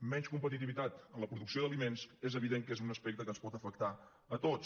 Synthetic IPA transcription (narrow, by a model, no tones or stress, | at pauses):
mɛɲskumpət̪it̪̬iβit̪at̪ənləpɾuðuksioðəlimenzezəβiðeŋkezunəspek̚t̪əkənspɔt̪əfək̚t̪a | ət̪ot͡s